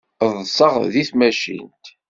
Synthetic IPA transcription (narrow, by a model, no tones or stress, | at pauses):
ðˤsˤəʁðiθmæʃḭnt̪